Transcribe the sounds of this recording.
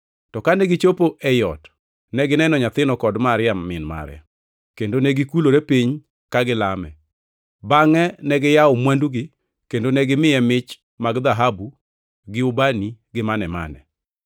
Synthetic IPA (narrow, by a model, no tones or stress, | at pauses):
tɔkanɛɡɪt͡ʃopoʔɛjɔt | nɛɡɪnɛnɔɲat̪ɪnɔkɔdmaɾɪammɪnma̰ɾɪa̰ | kendonɛɡɪkuloɾepiɲ | kaɡɪlamɛ̰ | baŋɛnɛɡɪjaʊmwanduɡɪ | kendonɛɡɪmɪjɛmɪt͡ʃ | maɡd̪aɦabu | ɡɪʊbaniɡɪmanɛma̰nɛ̰